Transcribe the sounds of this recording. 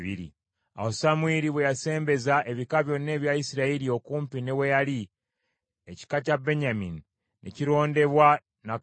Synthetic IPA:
βḭɾḭ | a̰hosamueɾiβwejase̞ːmbe̞zaʔe̞βikaβjo̞nːe̞ːβjaisiɾaiɾio̞kuːmpinewejali | eci̥kacabe̞ɲamini | nʔḛciɾo̞ːnde̞βwa | na

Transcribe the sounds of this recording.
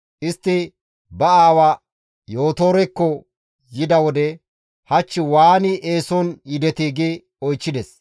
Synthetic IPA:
ʔɪst̪ːɪ | bɐaːwa | jo̞ːt̪o̞ːɾɛkːɔ | jɪd̪ɐwɔd̪ɛ | hɐt͡ʃːɪwaːnɪʔeːsɔnjɪd̪ɛt̪iːɡɪ | ɔjt͡ʃːɪd̪ɛs

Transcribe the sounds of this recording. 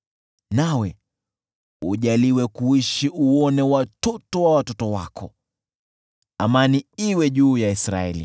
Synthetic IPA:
nawɛ | ṵʄaliwɛkuiʃiuɔnɛwatɔtɔwawatɔtɔwa̰kɔ | amaniiwɛʄuːjaisɾa̰ɛ̰lḭ

